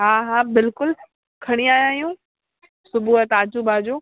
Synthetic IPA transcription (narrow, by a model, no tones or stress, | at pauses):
ɦaːɦaːbɪlkʊl | kʰɐɽ̃iaːjãːijũː | sʊbʱuɦət̪aːd͡ʑubʱaːd͡ʑoː